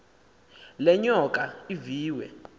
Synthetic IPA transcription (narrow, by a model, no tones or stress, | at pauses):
lɛɲɔkʼaiviːwɛ̰